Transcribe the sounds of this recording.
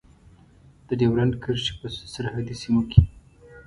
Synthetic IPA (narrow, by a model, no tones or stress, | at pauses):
d̪̥əɖewɾankəɾʃi̥pəsaɾhad̪isimokʰe